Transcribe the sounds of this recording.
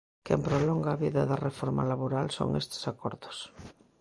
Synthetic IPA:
kempɾoloŋɡaβiðaðarefɔɾma̰laβoɾalso̰ŋest̪e̥sakoɾðo̥s

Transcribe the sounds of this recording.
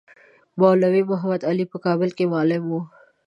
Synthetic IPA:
bawlawimʊɦamad̪alipəkɑːbɪlkemɑːlɪmwu

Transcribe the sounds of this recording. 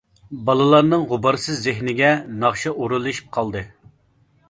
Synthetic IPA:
bɑlˠɨlˠɑɾnɨŋʁʊbɑɾsɨzːɪɦnɪɡʲɛnɑχʃɑʔuɾulˠɨʃi̥p̚qʰɑlˠd̪ɨ

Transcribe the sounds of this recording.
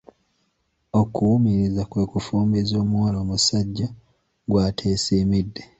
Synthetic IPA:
okʰuwumiɾizakwe̞kufuːmbizo̞ːmwaloːmusaɟːa | ɡwaːtʰe̞ːsiːmidːe̞

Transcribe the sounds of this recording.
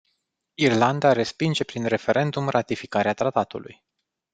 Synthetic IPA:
irland̪aɾe̞spind͡ʒe̞pɾinre̞fe̞ɾʔe̞nd̪umrʔat̪ifikaɾeat̪ɾat̪at̪ulṵj

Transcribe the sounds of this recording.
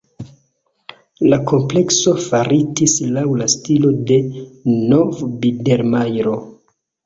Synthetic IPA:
lakʰo̞mple̞kso̞faɾitislawlastilo̞de̞no̞vbide̞ɾmajɾo̞

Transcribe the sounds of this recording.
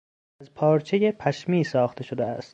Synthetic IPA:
æzpʰɒːɾt͡ʃʰejepʰæʃmiːsɒːxt̪ʰe̞ʃod̪eæst̪

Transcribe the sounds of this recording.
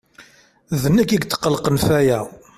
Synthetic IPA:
ðənːækːiɡt̪ːə̥qːəlqənfæjæ

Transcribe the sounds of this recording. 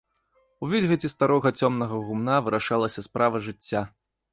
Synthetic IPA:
uvʲilʲɣɐt͡sʲist̪aɾɔɣɐt͡sʲɔmnɐɣɐɣumnavɨɾaʂalˠɐsʲɐspɾʔavɐʐɨt͡sʲːa

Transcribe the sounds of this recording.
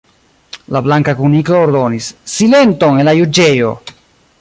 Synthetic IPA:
lablaŋkakunikoːɾdo̞nisːile̞nto̞ŋenlajud͡ʒe̞jo̞̰

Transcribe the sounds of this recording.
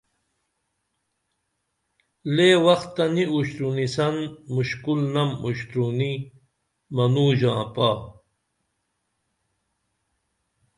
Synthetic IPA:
leːwɐxt̪ːɐniuɕt̪ɾunisɐnmuɕkulnɐmuɕt̪ɾuni | mɐnuːʑãːpaː

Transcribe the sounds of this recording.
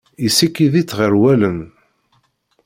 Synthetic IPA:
isikːiðit͡sːʁəɾwæləm

